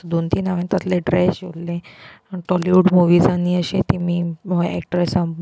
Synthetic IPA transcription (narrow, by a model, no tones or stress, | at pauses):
ud̪ʱunt̪inaʋant̪ət̪leɖɾesollẽ | ʈɔliuɽmuʋiːd͡zaniːəɕet̪imiːməʋɛ̰k̚ʈəɾasa